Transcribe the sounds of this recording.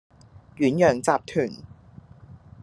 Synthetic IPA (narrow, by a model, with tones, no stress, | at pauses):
jyː˨˥njœː˨˩ŋt͡saː˧p̚t̪ʰyː˨˩n